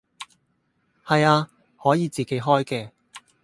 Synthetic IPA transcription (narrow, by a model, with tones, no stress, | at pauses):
hɐ˨jaː˧ | hɔː˨˥jiː˨˧t͡siː˨ke˨˥jɦɔː˥jkɛː˧